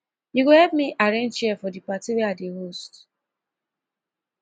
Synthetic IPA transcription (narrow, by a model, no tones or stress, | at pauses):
iɡohɛpmiʔaɾẽnt͡ʃiɛfɔdipatiweadeɦost